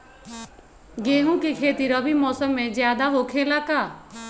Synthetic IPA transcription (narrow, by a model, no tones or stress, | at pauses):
ɡeːɦũkekʰeːt̪iɾɔbʱimɔːsəmːẽzjaːd̪aɦokʰeːlakaː